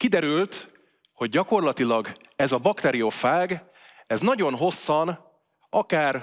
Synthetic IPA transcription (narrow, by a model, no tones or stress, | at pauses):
kid̪ɛɾylt̪ | ho̞ɟ̚ːɒko̞rlɒt̪ilɒɡ | ɛzɒbɒkt̪ɛɾiofaːɡ | ɛznɒɟo̞nɦo̞sːɒn | ɒkaːr